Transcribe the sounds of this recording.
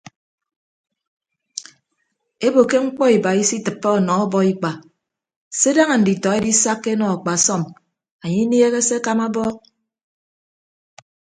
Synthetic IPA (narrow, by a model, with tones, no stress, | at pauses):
e˦bo˨ke˦ŋ͡m̩˦k͡pɔ˦i˨ba˨i˦si˦tɨ˨pːe˦ɔ˨nɔ˨ɔ˦bɔ˦i˦k͡pa˨ | se˦da˦ŋa˨n̩˨di˨tɔ˨e˦di˦sa˦kːe˦nɔ˨a˨k͡pa˨sɔ˦˨m | a˨ɲi˦n˦e˦ɣe˦se˦ka˦ma˦bɔ˦